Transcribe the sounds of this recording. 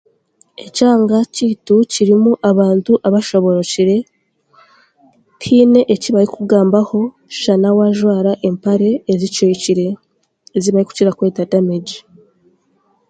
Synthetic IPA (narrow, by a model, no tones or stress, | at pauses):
e̞caːŋɡaciːtuciɾimuʔaβaːntuʔaβaʃo̞βo̞ɾociɾe̞ | tʰiːne̞ʔeciβaɾikuɡaːmbaho̞ | ʃanawaʒwaːɾaʔempaɾe̞ːzit͡ʃojiciɾe̞ː | ziβaɾiku̥ciɾakwe̞ːtadameɟi